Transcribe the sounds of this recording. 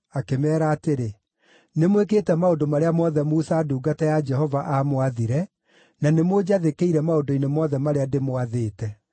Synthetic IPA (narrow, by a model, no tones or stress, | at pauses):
akemɛːɾaːteɾe | nemweketɛmaodomaɾeamɔðɛmuːθaːduːɡatɛjad͡ʒɛhɔvaʔamwaðiɾɛ | nanemod͡ʑaðekeiɾɛmaodoinemɔðɛmaɾeademwaðeːtɛ